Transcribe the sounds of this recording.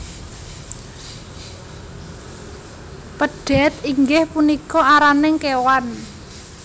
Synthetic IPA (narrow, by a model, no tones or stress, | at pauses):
pəɖ̥ɛ̤t̪iŋɡɪhpunikɔaɾanɪŋkewan